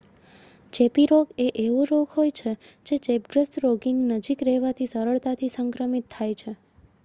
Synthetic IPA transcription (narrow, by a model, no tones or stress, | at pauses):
t͡ʃepiɾoɡeʔeʋũɾoɡɦojt͡ʃʰed͡ʒet͡ʃep̚ɡɾəst̪ɾoɡininəd͡ʒikɾɛɦʋat̪ʰisəɾəɭt̪at̪ʰisəŋkɾəmit̪ʰːajt͡ʃʰe